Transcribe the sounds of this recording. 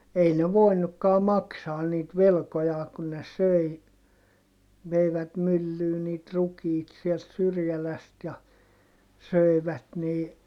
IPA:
ei ne ʋoinukːɑː mɑksɑːn niːt ʋelkojɑː kun ne søi ʋeiʋæt mylːyː niːt rukiːt siɛlt syrjælæst jɑ søˑi̯ʋæt niː

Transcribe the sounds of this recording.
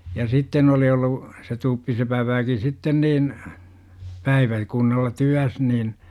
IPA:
jɑ sitːen oli olːu se tupːisepæʋ ʋæki sitːen niːn pæiʋæ kunːɑlːɑ tyæs nin

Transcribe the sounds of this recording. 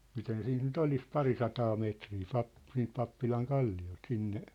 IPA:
miten siːnt nyt olis pɑrisɑtɑː meːtriː pɑp siːnt pɑpːilɑŋ kɑlːiolt sinːe

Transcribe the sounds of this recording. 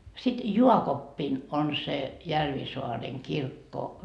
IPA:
sit juɑkopːin on se jærʋisoɑreŋ kirkːo

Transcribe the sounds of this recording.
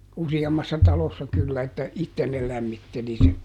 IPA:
usiɑmːɑsːɑ tɑlosːɑ kylːæ etːæ itːen ne læmːitːeli sen

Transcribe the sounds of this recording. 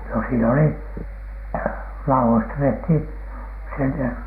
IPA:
no siːn oli lɑuwoistɑ tehthiˑn sinːe

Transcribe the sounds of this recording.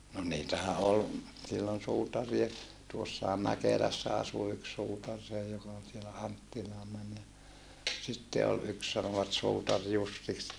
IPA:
no niːtæhæ ol silːon suːtɑrie tuosːɑhɑm mækelæsːæ ɑsu yks suːtɑr seː jokɑ ol sielæ ɑntːilɑː mæn jɑ sitːe ol yks sɑnoʋɑt suːtɑr jusːiks

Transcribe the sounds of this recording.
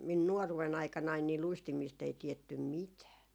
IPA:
min nuoruwen ɑikɑnɑin ni luistimiːst ei tietːym mitæː

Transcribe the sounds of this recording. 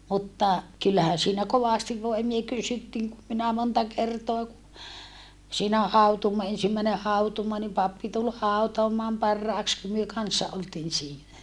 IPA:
mutːɑ kylːæhæ siːnæ koʋɑˑstiʋ ʋoimie kysytːiːŋ kum minæ montɑ kertoɑ ku siːnæ hɑutuːmoɑ ensimːæine hɑutuːmoɑ nim pɑpːi tul hɑutoɑmɑːm pɑrːɑˑeks kum myø kɑnːsːɑ oltiːn siːnæ

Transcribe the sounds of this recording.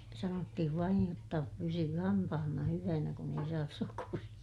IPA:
sɑnotːihiʋ ʋɑij jotːɑ pysyː hɑmpɑhɑnːɑ hyʋænæ kun ei sɑːs sokurij̆ɑ

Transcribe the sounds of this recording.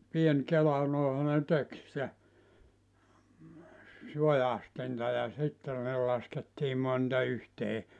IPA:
pien kelɑ noˑehɑ ne tek sĭtæ sujɑstintɑ jɑ sitːe ne lɑsketːiː montɑ yhteː

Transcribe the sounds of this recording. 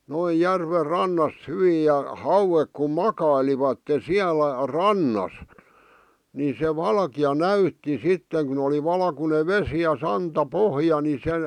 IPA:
noij jærʋer rɑnːɑst̆ hyʋiːj jɑ hɑuwek kum mɑkɑiliʋɑtːe siælæ rɑnːɑs ni se ʋɑlkiɑ næytːi sitːeŋ kun oli ʋɑlkune ʋesi jɑ sɑntɑpohjɑ ni se

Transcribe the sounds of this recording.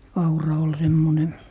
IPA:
ɑurɑ ol semːone

